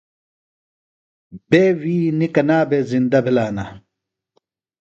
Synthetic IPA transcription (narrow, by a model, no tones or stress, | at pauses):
b̥eːwiːnikɐnaːbezind̪ɐbʱilaːna